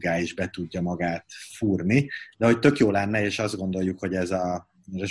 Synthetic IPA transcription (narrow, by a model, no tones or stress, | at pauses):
ɡaːiʒbɛt̪uɟːɒmɒɡaːt̪fuːrnid̪ɛɦo̞ct̪ø̞kjoːlɛnːɛeːʃɒzd̪ɡo̞nd̪o̞jukho̞ɟɛzɒ | ɛzɒ